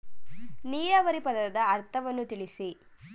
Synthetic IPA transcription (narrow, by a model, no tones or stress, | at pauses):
niːjɐʋɐɾipɐðɐɐd̪ɐːɾt̪ʰɐʋɐnːut̪iɭisi